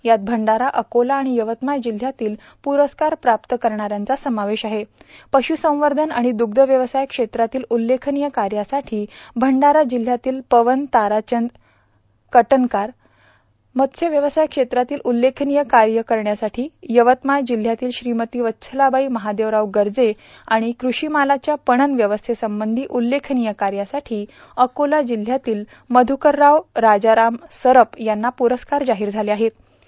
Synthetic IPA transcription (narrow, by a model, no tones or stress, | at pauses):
jat̪̚bʱəɳɖaɾaʔəkolaːɽ̃ijəʋət̪majd͡ʑil̤ːjat̪iːl | puɾəskaɾpɾapt̪əkəɾɳ̃aɾjant͡sasəmaʋeɕaɦepəɕusə̃w̃ʋəɾd̪ʱənaɽ̃id̪uɡd̪ʱəʋjəʋəsajəkʂet̪ɾat̪iːlulːekʰnijəkaɾjasaʈʰiːbʱəɳɖaɾad͡ʑil̤jat̪iːlpəʋənt̪aɾat͡ɕənd̪ | kəʈənkaɾ | mət̪sʰeʋjəʋəsajkʂet̪ɾat̪iːlʔulːekʰnijəkaɾjəkəɾɳjasaʈʰiːjəʋət̪majd͡ʑil̤jat̪iːlɕɾimət̪iːʋətːɕʰəlabaiːməɦad̪eʋɾaʋɡəɾd͡ze | aɽ̃ikɾuɕiːmalat͡ɕjapəɳ̃ənʋjəʋəst̪ʰesəmbənd̪ʱiːʔulːekʰnijəkaɾjasaʈʰiː | əkolad͡ʑil̤ːjat̪iːl | məd̪ʱukəɾːaʋɾad͡zaɾamsəɾəpjanːapuɾəskaɾd͡zaɦiːɾd͡zʱaleaɦet̪̚